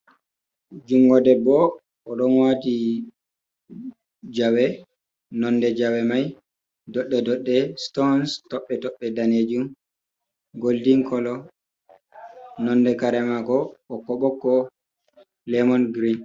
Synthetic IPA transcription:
d͡ʒuŋɡɔdɛbɔ | ʔɔɗɔnwati | d͡ʒawɛ | nɔndɛd͡ʒawɛmaj | dɔɗːɛdɔɗːɛstɔnstɔɓːɛtɔɓːɛdaned͡ʒum | ɡoldiŋkɔlɔ | nɔndɛkaɾɛmaɡɔɓɔkːɔɓɔkːɔ | lɛmɔnɡɾin

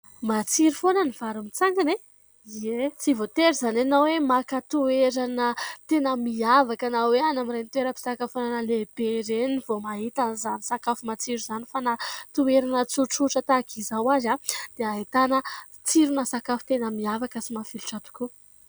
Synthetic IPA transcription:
mat͡siɾufonəniv̥aɾumit͡saŋɡane | et͡sivot̪eɾzananawemakat̪ueɾanət̪enəmiavakanaweanamiɾenit̪ueɾəpi̥sakafonanəleb̥eɾeniv̥omaɦit̪anzanisakafumat͡siɾuzanifanat̪ueɾanət͡suʈ͡ʂuʈ͡ʂət̪akʰizawazad̪̥eait̪anə | t͡siɾunasakafu̥t̪enəmiavakəsimafiluʈ͡ʂat̪u̥ku

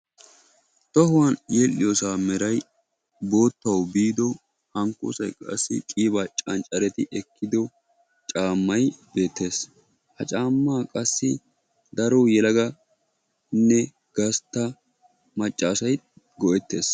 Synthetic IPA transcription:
t̪ɔɦʊwanjeːlːɪjɔːsaːmɛɾɐj | bo̞ːt̪ːɐwbiːd̪ɔ | hɐŋko̰ːsɐjkʼɐ̰sːɪ̰kʼiːbaːt͡ʃʼɐnt͡ʃʼɐɾɛt̪ɪʔɛkʰːɪd̪ɔ | t͡ʃʼaːmːɐjbe̞ːt̪ʰːe̞ːs | hɐt͡ʃʼaːmːaːkʼɐsːɪ | d̪ɐɾojɛlɐɡɐ | nːɛ | ɡ̥ɐst̪ːɐ | mɐt͡ʃʼːaːsɐj | ɡɔʔɛt̪ːe̞ːs

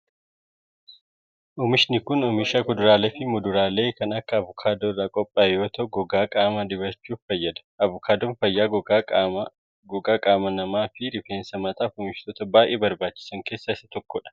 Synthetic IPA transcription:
ʔɔmɪʃnɪkʊnɔmɪʃɐkʊd̪ʊɾaːleːfɪmʊd̪ʊɾaːle̞ːkɐnɐkːɐːvʊkʰaːd̪ɔrːaːkʼɔpʼːaːjoːt̪ɔɡɔɡaːkʼaːmɐd̪ɪβɐɾt͡ʃːuːffɐjːɐd̪ɐ̥ʔɐvʊkʰaːd̪ɔnfɐjːaː | ɡɔɡaːkʼaːmɐnɐmaːfɪɾɪfeːnsɐmɐt̪aːfʊmɪʃt̪ɔt̪ɐbaːjʔeːbɐɾbaːt͡ʃːɪ̥sɐŋke̞ːsːaːɪsːɐt̪ɔkːɔᶑɐ̥

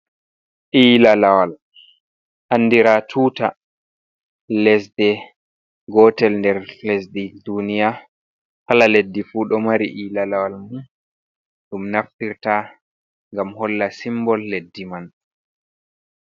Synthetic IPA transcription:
ʔiːlalawal | ʔanːdiɾatʰuːta | lɛs̬dɛ | ɡɔtɛlndɛɾlɛsdidunija | kalaledːifuːɗɔmaɾiʔiːlalawalmu | ɗumnaftiɾta | ŋɡamhɔlːasimbɔlːedːiman

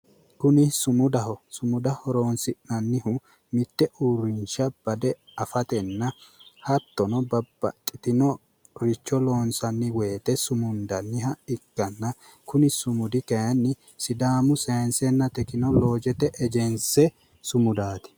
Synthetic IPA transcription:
kʊnɪsʊmʊd̪ɐɦɔsʊmʊd̪ɐhɔɾo̞ːnsɪʔnɐnːɪɦʊ | mɪt̪ːɛʔuɾɪnʃɐb̥ɐd̪ɛɐfɐt̪ɛnːɐhɐt̪ːɔnɔbɐbːɐ̰kʼːɪt̪ɪnɔ | ɾɪt͡ʃːɔloːnsɐnːɪweːt̪ɛsʊmʊnd̪ɐnːɪɦɐɪkːɐnːɐ | kʊnɪsʊmʊd̪ɪkɐjɐnːɪ | sɪd̪aːmʊseːnsɛnːɐt̪ɛkɪnɔlo̞ːd͡ʒɛt̪ɛʔɛd͡ʒɛnsɛ | sʊmʊd̪aːt̪ɪ̥

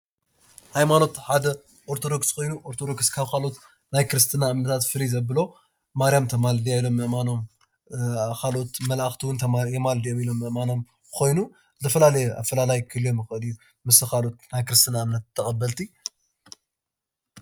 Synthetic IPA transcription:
hajmano̞t̪ħad̪ɐ | ʔoɾt̪ʰo̞d̪o̞kskʰo̞jnuʔo̞ɾt̪ʰod̪o̞kskʰaβkʰalo̞t̪ | najkɨɾɨst̪ʰɨnaɨmnɐt̪ʰat̪fɨlizɐbɨlo̞ | maɾijamt̪ʰɐmald̪ijajlo̞mːɨʔmano̞m | kʰalo̞t̪mɐlaxt̪ʰiwʊnt̪ʰɐjemald̪ijomilo̞mːɨʔmano̞m | kʰo̞jnu | zɨt̪ʰɐfɐlalɐjeʔa̰fɐlalajkʰɨlijo̞mjɪxɨʔɨlijːu | mɨsɨkalo̞t̪najkɨɾɨst̪ʰɨnamnɐt̪̚t̪ʰːɐxʼɐbːɐlt̪ʰi

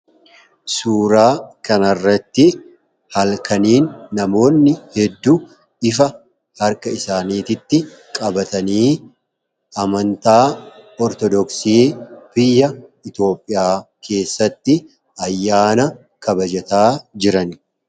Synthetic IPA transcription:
suːɾaːkɐnɐrːɐt̪ːɪ | hɐlkɐniːnːɐmo̞ːnːɪhɛd̪ːu | ɪfɐ | hɐɾkɐɪsaːniːt̪ɪt̪ːɪ | kʼɐbɐt̪ɐniː | ɐmɐnt̪aːɔɾt̪ɔd̪ɔksiːfɪjːɐɪt̪o̞ːpʼːɪjaːkʰe̞ːsːɐt̪ːɪ | ɐjːaːnɐ | kʰɐbɐd͡ʒɐt̪aːd͡ʒɪɾɐn

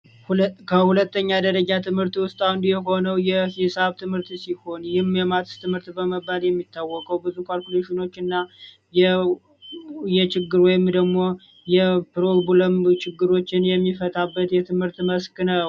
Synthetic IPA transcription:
hkʰəhulət̪ːəɲːad̪əɾəd͡ʒat̪ʰɨmhɨɾt̪wʊst̪ʼawʊnd̪jɛɦo̞nəwjɛhisaβt̪ʰɨmhɨɾt̪siho̞njɪhmjɛmat̪ʰst̪ʰɨmhɨɾt̪bəməbaljɛmːit̪ʰːawːɔkʼəwbɨzukʰalkʲuleʃino̞t͡ʃːɨnːa | jɛ | jɛt͡ʃɪɡːɨɾwɔjɪmd̪əɡmo̞ | jɛpɾolbuləmt͡ʃɪɡːɨɾo̞t͡ʃːɪnjɛmːifət̪ʰʼabːət̪jɛt̪ʰɨmhɨɾt̪ːməsknəw

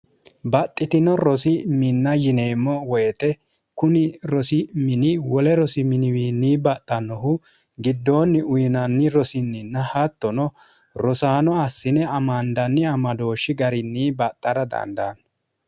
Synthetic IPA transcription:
bɐt̪ʼːɪt̪ɪnɔɾɔsɪmɪnːɐjɪne̞ːmːɔwɔjɛt̪ɛ | kʊnɪɾɔsɪmɪnɪwɔlɛɾɔsɪmɪnɪwiːnːiːbɐt̪ʼːɐnːɔɦʊ | ɡɪd̪ːoːnːɪʊjɪnɐnːɪɾɔsɪnːɪnːɐhɐt̪ːɔnɔ | ɾɔsaːnɔɐsːɪnɛɐmɐnd̪ɐnːɪɐmɐd̪o̞ːʃːɪɡɐɾɪnːiːbɐt̪ʼːɐɾɐd̪ɐ̰nd̪aːn

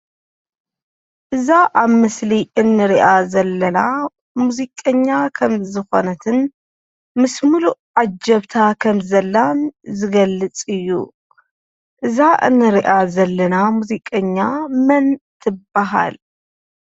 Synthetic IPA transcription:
ʔɨzaʔaβmɨsliʔɨnːɨɾiʔazɐlːɐna | muzikʼɐɲːakʰɐmzɨxo̞̰nɐt̪ʰɨn | mɨsmuluʕad͡ʒɐβt̪ʰakʰɐmzɐlːanzɨɡɐlːɨt͡sʼɨjːṵ | ʔɨzaʔɨ̰nːɨɾiʔazɐlːɐnamuzikʼɐɲːamɐnt̪ʰɨb̥aɦa̰l

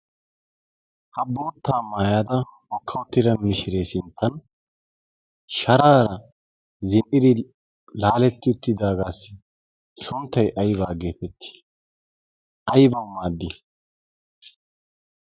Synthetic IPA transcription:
hɐboːt̪ːaːmaːjaːd̪ɐhɔkʰːɐwʊt̪ːɪd̪ɐmɪʃɪɾeːsɪnt̪ːɐn | ʃɐɾaːɾɐ | zɪnʔɪd̪ɪ | laːlɛt̪ːɪʊt̪ːɪd̪aːɡaːsːɪ̥ | sʊnt̪ːɐjʔɐjbaːɡeːpɛt̪ʰːɪ̥ | ʔɐjbɐwmaːd̪ːɪ

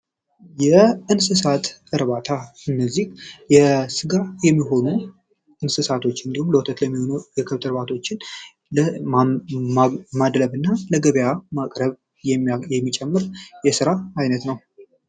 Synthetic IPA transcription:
jɛɨnsɨsat̪ɨɾβat̪ʰaɨnːəzːihjɛsɨɡajɛmːiɦo̞nu | ʔɨnsɨsat̪ʰo̞t͡ʃːɨnd̪ihumləwt̪ʰət̪ləmːiho̞nujɛkʰɨβt̪ʼɨɾβat̪ʰo̞t͡ʃːɪn | lə | mad̪ɾəβɨnːaləɡəβjamakʼɾəβ | jɛjɛmːit͡ʃʼɛmːɨɾjɛsɨɾaːjnət̪nəw

